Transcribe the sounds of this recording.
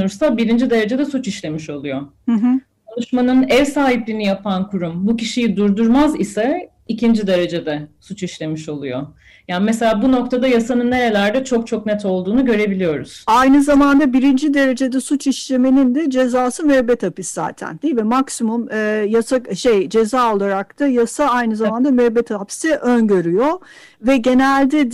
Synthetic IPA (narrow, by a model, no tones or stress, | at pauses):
uɾsabiɾind͡ʒid̪e̞ɾe̞d͡ʒed̪ɛsut͡ʃiʃlʲe̞miʃo̞lˠujo̞hɯɦ̩ | kʰonˠuʃmanɯnɛvsaːɦiplʲinijapʰankʰuɾumbuciʃijid̪uɾd̪uɾmazisɛ | icind͡ʒid̪e̞ɾe̞d͡ʒe̞d̪ɛsut͡ʃiʃlʲe̞miʃo̞lˠujo̞ | jaːnimes̬e̞lʲaːbuno̞k̚t̪ʰad̪ajasanɯnːe̞ɾe̞lʲæɾd̪ɛt͡ʃʰo̞k̚t͡ʃʰoknɛt̪o̞lˠd̪uːnuɟø̞ɾe̞bilʲijo̞ɾṵz̥ajnɯzamand̪abiɾind͡ʒid̪e̞ɾe̞d͡ʒe̞d̪ɛsut͡ʃiʃlʲe̞me̞nind̪ɛd͡ʒe̞zaːsɯmɛbɛt̪ʰapisza̰ːt̪ʰæ̰nd̪imɛmaksimumɯjasaʃejd͡ʒe̞zaːo̞lˠaɾak̚t̪ʰajasaajnɯzamand̪amɛbɛt̪ʰapsiʔønɟø̞ɾyjo̞ | vɛɟe̞nælʲd̪ɛd̪